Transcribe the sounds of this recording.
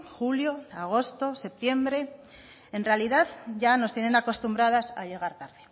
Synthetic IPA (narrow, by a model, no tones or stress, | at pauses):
xuljo̞aɣ̞o̞st̪o̞se̞p̚t̪je̞mbɾe̞ | enrealiðaðʝano̞st̪je̞nenako̞st̪umbɾað̞asa̰ʎe̞ɣ̞aɾt̪aɾði